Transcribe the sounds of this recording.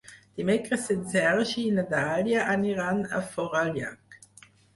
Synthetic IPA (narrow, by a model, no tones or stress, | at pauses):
d̥imɛkʁəsɪnsɛʁʃinad̪aːljaʔaniʁana̰fɔʁalja̰k